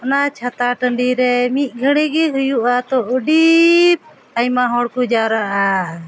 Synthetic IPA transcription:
ɔnat͡ʃʰat̪aʈəɳɖiɾɛmit̪̚ˀɡʱəɽɛɡɛɦujuʔat̪ɔəɖip̚ | ajmaɦɔɽkud͡ʒaɾaʔa

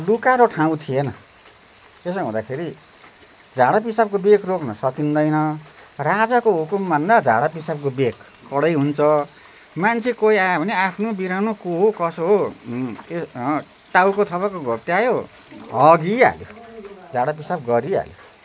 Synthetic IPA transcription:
lukaɾʌʈʰãw̃t̪ʰienʌ | es̬ɦũd̪akʰeɾi | d͡zʱaɽap̬isab̚kobekroknʌsʌkind̪ʌjnʌrad͡zakoɦukumbʱʌnd̪ad͡zʱa̰ɽapisab̚kobekːʌɽʌjɦunt͡sʰʌ | mant͡sʰikoiajobʱʌneapʰnobiɾanokoɦokʌsoɦo | es | ʈawkot̪ʰʌpakoɡʱot̪eajo | ɦʌɡia̰ljo̰d͡zʱaɽap̬isab̚ɡʌɾia̰ljo

